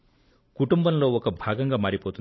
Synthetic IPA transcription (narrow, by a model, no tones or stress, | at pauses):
kuʈumbɐmlo̞ːɔkɐbʱaːɡɐŋɡaːmaːɾipoːt̪un